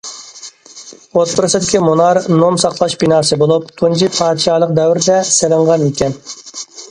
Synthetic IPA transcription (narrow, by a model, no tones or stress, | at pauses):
ot̪̚pʰʊɾɨsɨd̪ɪkʲimunɑɾnomsɑqlˠɑʃbinɑːɾsɨbolˠup̚t̪ʰund͡ʒipʰɑːd̪ɨʃɑːlˠəq̚d̪ɛwɾɪd̪ɛselɨɴʁɑnikʲʰɛn